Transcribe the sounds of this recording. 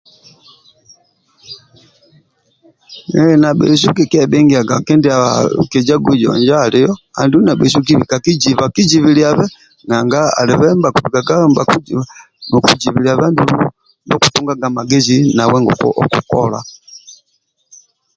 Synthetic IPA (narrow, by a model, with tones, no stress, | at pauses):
nɛna˨ɓɛ̰˨s̬u˦ki˨kɛ˦ɓɛ˦ŋɡi˨a˨ɡa˨kɛ˦ndia˨ki˨d͡ʒa˦ɡwi˨d͡ʒɔ̰˨ɲd͡ʒaː˦li˦jɔ˦a̰˨ndi˦u˦na˨ɓɛ˨s̬u˦k̬i˦βi˨ka˨ki˦d͡ʒi˨βa˨ki˦d͡ʒi˨βilia˨βɛ˦ | na˨ŋɡa˦a̰˨li˨βɛmba˨ku˨βi˨ka˨ɡa˦mbak | nu˨ku˨d͡ʒi˨βi˨lia˨βa˦ndu | nɔ˦ku˨tɔ˦ŋɡaɡa˨ma˨ɡɛ˦zina˨wɛ˦ŋɡɔ̰˨ɔku˨kɔ̰la̰˨